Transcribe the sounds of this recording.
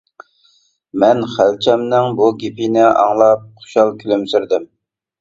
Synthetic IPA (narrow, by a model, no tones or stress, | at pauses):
mɛnχælt͡ʃʰɛmnɪŋbuɡʲipʰinɪʔɑ̰ŋlˠɑp̚qʰʊ̥ʃɑlˠkʲʰylymsyɾd̪ɪm